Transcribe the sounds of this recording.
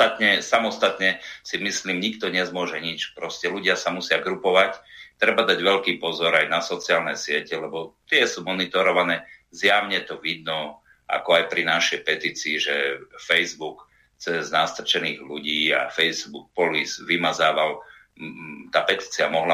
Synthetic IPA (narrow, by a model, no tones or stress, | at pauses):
at̪ɲɛsamɔst̪at̪ɲɛsimisliːmɲikt̪ɔɲɛzmʊɔʒɛɲit͡ʃpɾɔscɛluɟɪasamusɪaɡɾupɔʋact̪ɾɛbad̪aɟʋɛʎkiːpɔzɔɾajnasɔt͡siaːlnɛsɪɛcɛlɛbɔt̪ɪɛsuːmɔnit̪ɔɾɔʋanɛːzjaʊɲɛt̪ɔʋid̪nɔ | a̰kɔajpɾinaʃɛjpɛt̪iːt͡siːʒɛfɛjzbuk | t͡sɛznast̪r̩t͡ʃɛniːɣluɟiːa̰fɛjzbuk̚pɔlizʋimazaːʋal | t̪aːpɛt̪iːt͡siamɔɦla